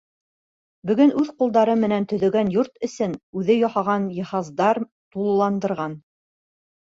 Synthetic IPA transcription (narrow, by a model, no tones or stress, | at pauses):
bɵ̆ɡɵnʉðqulˠd̪ɑɾɤmɘ̆nænt̪ɵ̆ðɵ̆ɡænjuɾt̪ɘ̆sɘnʉðɘjɒhɑʁɑnjɤ̆hɑzd̪ɑɾ | t̪ulˠlˠɑnd̪ɤ̆ɾʁɑn